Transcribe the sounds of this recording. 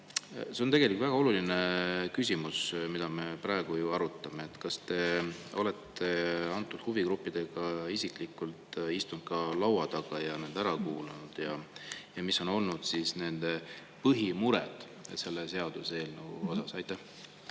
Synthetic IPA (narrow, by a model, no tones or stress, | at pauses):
se̞ont̪e̞ɡelikvæɡ̥ɑo̞lulinekysʲimusmid̪̥ɑme̞pɾɑeɡ̥ujuɑɾut̪ːˑɑme̞ːt̪ːkɑst̪e̞o̞̰lɛt̪ːˑe̞ɑnt̪ːˑud̪̥huviɡɾupːid̪̥e̞ɡ̥ɑisikˑlikult̪ist̪und̪̥kɑlɑwɑd̪̥ɑɡ̥ɑjɑnend̪æɾɑkuːlunud̪̥jɑjɑmisːo̞no̞lnud̪̥sisne̞nd̪̥e̞ | pɤɦimuɾɛ̰d̪̥ | se̞lːese̞ɑd̪̥use̞ːlneuo̞sɑsɑjt̪ːˑæh